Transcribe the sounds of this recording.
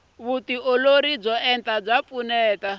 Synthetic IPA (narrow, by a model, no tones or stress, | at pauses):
βutiʔɔloɾib͡ʐɔɛntab͡ʐap̪funɛːta